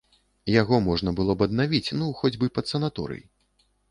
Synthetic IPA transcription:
jaɣɔmɔʐnɐbɨlˠɔbɐd̪̚navʲit͡sʲnuxɔd͡zʲbɨpɐt̪sɐnat̪ɔ̰ɾɨ̰j

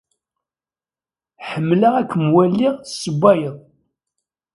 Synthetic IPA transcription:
ħəmːləʁækʷʰːəmwælːiʁsːəbʷːæjəðˤ

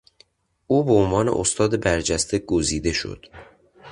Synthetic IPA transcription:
ʔuːbeonvɒːne̞ʔost̪ʰɒːd̪ebæɾd͡ʒæst̪ʰe̞ɡoziːd̪e̞ʃo̰d̪̥

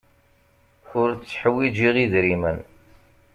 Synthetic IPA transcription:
ʊɾt͡sːħəwːid͡ʒiʁiðɾimən

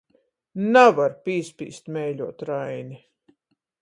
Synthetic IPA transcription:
navaɾpiːspʲḭːst̪mʲɛjlʲuɔt̪ɾajni

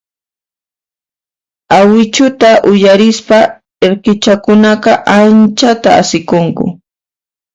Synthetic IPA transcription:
awɪt͡ʃʊt̪aʔʊjaɾɪspa | eɾkɪt͡ʃakʊnɑqɑʔant͡ʃat̪aa̰sɪkoŋkʊ̰

